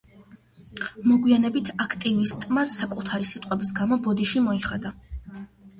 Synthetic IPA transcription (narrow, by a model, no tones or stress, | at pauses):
mɔɡwianɛbit̪ʰakʰt̪ʼivist̪ʼmad̪sakʼut̪ʰaɾisit̪ʼqʼwɛbisɡamɔbɔd̪iʃimɔiχad̪a